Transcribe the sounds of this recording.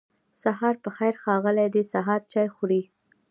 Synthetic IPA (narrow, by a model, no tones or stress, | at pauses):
saɦɑɾpəxajɾxɑɣəlajd̪esaɦɑɾt͡ʃɑjxuɽi